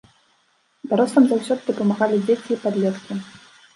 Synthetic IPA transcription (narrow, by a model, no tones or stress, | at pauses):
d̪aɾɔst̪ɐmzawsʲɔd̪ɨd̪ɐpɐmaɣalʲid͡zʲet͡sʲiːpad̪lʲɛt̪kʲi